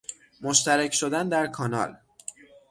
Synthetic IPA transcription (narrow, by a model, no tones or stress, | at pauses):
moʃt̪æɾecʰʃod̪ænd̪æɾkʰɒːnɒ̰l